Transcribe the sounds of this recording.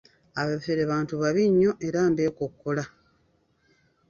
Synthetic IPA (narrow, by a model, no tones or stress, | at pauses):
aβefeɾeβaːntuβaβiɲːo̞ʔe̞ɾaːmbe̞ːkokːola